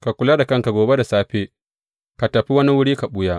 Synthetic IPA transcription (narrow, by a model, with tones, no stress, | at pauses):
ka˨kʷʊ˨laː˦da˨kɐ˦ŋka˨ɡoː˨be˦da˨saː˦ɸeː˦ | ka˨tɐ˨ɸi˦wɐ˦ni˦wʊ˦ɽiː˦ka˨ɓʊ˦jaː˦